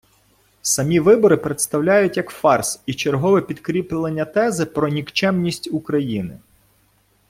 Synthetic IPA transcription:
sɐmʲiʋɪbɔɾɪpɾet̪st̪ɐwlʲajʊtʲjɐkfɑrsit͡ʃerɦɔʋɛpʲid̪kɾʲiplˠenʲːɐt̪ɛzɪpɾɔnʲikt͡ʃɛmnʲisʲtʲukɾɐjinɪ̰

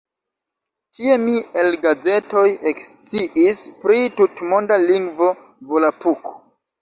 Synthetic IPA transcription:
tʰie̞mielɡad͡ze̞to̞jekst͡siʔispɾitutmondaliŋɡvo̞ | volapuko̥

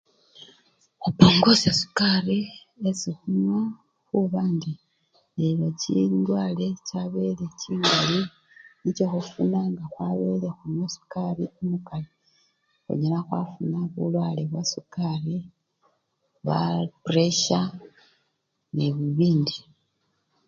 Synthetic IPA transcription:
xupo̞ːŋɡo̞sasu̥kaɾi | esixunwa | xuβandi | elocḭndwaːle̞caβe̞le̞ciːŋɡali | nicoxufunaŋɡaxwaβe̞le̞xumwesu̥kaɾiomukali | xṵɲelaxwa̰funaβṵlwaleβwasukaɾi | βa̰pɾeʃa | neβuβiːndi

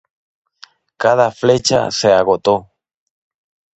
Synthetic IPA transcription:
kað̞aflet͡ʃa̰seaɣot̪o

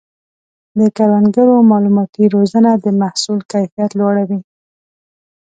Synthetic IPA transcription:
d̪əkaɾanɡəɾomɑlumɑt̪iɾozənad̪əmahsulkajfijat̪lwɑɽawi

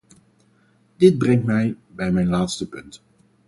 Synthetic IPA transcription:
d̥ɪd̚brɛŋtmɛjbɛjmɛjnlaːtstəpɵnt

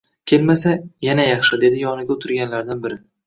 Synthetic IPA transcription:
kʲʰe̞lmasajanajɑχʃɪd̪e̞d̪ɪjɒnɪɡʲaʊt̪ʰʊɾɡʲanlaɾd̪anbɪɾɪ

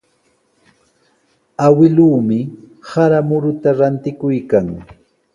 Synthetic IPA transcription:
awɪluːmɪ | haɾamʊɾʊt̪aɾant̪ɪkʊjkaŋ

